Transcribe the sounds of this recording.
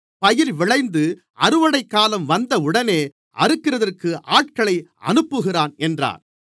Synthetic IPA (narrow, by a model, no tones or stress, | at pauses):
pɐjɪɾʋɪɭɐɪnd̪ɯ | ʔɐɾɯʋɐɽɐɪkːaːlɐmʋɐnd̪ɐʊɽɐneː | ʔɐɾɯkːɪrɐðɐrkɯʔaːʈ̚kɐɭɐɪɐ̰nɯpːɯɣɪraːnɛndra̰ːn